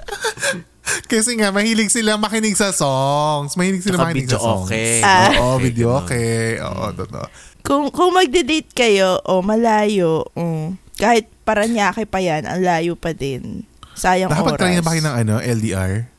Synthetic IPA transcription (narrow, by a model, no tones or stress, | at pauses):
kɛsɛŋaʔmɐhiːlɪɡ̚sɪlamɐkɪnɪɡ̚sɐsoŋsmɐhiːlɪɡ̚sɪlamkɪnɪɡsʔo̰kɛaoʔovid̪joʔoːkɛʔo̰ːʔo̰t̪ot̪o̰ʔkʊŋkʊŋmɐɡ̚d̪ɪdit̪̚kɐjo̞ʔomɐlaːjookaːhɪt̪̚pɐɾɐɲjaːkɪpɐjanʔɐ̰ŋlaːjopɐd̪ɛnsaːjɐŋbaːopɐːɾɾɐjnɐbakɪnɐŋʔɐnoʔɛld̪iːʔa̰ɹ